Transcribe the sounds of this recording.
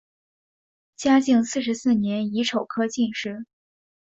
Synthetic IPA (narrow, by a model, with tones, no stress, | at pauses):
t͡ɕja˥t͡ɕi˥˧ŋsɹ̩˥˩ʂ̬ɻsɹ̩˥˩njɛ˧˥ni˧˥ʈ͡ʂʰo˨˩ʊkʰɤ˥t͡ɕi˥˧nʂɻ̩˥˩